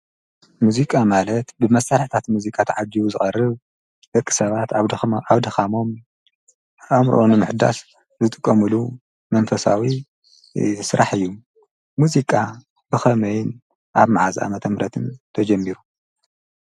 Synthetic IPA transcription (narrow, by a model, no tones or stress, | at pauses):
muzikʼamalɐt̪bɨmɐsaɾħt̪ʰat̪muzikʼat̪ʰʕad͡ʒiwuzɨxʼɐrːɨβ | d̪ɐkʼːi̥sɐβat̪aβd̪ɐxamo̞m | amɾ̰ʔonɨmɨħd̪a̰s | zɨt̪ʼɨkʼːɐmɨlu | mɐnfɐsa̰wi | sɨɾʔaħɨjːu | muzikʼa | b̥ɨxɐmɐjn | ʔaβmaʕazʔa̰mɐt̪ʰɐmɾɐt̪ʰɨnt̪ʰɐd͡ʒɐmːiɾu